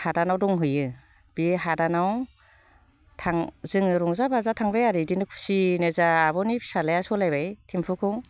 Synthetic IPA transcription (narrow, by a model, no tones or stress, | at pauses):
hadanawdɔŋɦɯjɯ | b̥iɦadanaw | tʰaŋzɯŋɯɾɔŋzabazatʰaŋbajaɾidinɯkʰu̥sinezaːbɔnipʰi̥salajasɔlajbajtʰimpʰukʰɯŋ